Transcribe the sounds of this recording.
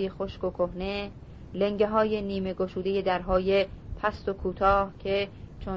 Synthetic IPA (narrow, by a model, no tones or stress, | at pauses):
jexoʃkokʰohne̞ | leŋɟeɦɒːje̞niːme̞ɡoʃuːd̪eje̞d̪æɾɦɒːjepʰæst̪o̞kʰuːt̪ʰɒːhcʰet͡ʃʰo